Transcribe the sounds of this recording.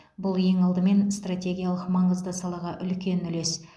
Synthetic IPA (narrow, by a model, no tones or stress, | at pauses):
bʊlˠje̞ŋɑlˠd̪əme̞nst̪ratʲe̞ɡʲijalˠəqmɑɴəzd̪əsɑlˠɑʁɑʔʏlkʲe̞nʏle̞s